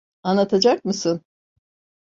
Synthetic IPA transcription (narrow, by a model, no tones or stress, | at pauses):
anlˠat̪ʰad͡ʒak̚mɯsɯn